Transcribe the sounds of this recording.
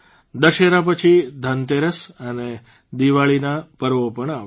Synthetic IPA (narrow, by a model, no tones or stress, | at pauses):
d̪əʃeɾap̬ət͡ʃʰid̪ʱənt̪eɾəsəne | d̪iʋaɭinapəɾʋopəɳa